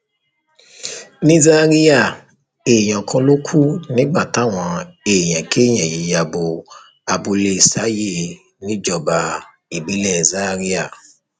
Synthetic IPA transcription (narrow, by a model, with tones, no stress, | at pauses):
nĩ˦za˦ɾi˦ja˦˨ | e˨j̃ɔ̃˨kʰɔ̃˧lo˦kʰu˦nĩ˦ɡ͡ba˦˨ta˨˦˨w̃ɔ̃˧e˨j̃ɛ̃˨kʰe˦˨j̃ɛ̃˨je˨˦ja˧bo˧ | a˧bo˧le˧˨sa˨˦je˦˨˧ | nĩ˦d͡ʒɔ˨ba˨ | i˨bi˨˦lɛ˦˨za˦ɾi˦a˦˨